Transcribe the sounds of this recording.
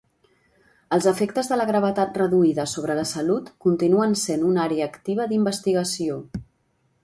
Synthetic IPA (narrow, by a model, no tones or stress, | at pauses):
əlˠzəfekt̪əzðələɣ̞ɾəβ̞ət̪at̪̚rəðuiðəsoβ̞ɾələsəlut̪kunt̪inuənsenunaɾeəːkt̪iβ̞əðimbəst̪iɣəsio